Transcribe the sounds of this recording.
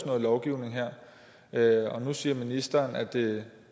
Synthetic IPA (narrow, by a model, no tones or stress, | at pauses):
snɔ̽ð̩ˠlɒʊɡ̥iʊne̝ŋɦeɐ̰ | ɒ̽nusiːɐminisd̥ɐːnæd̥e